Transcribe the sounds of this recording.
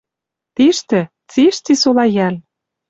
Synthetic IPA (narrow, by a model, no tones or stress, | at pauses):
t̪eʃt̪ɘ̆ | t͡seʃt͡sisolɑjæl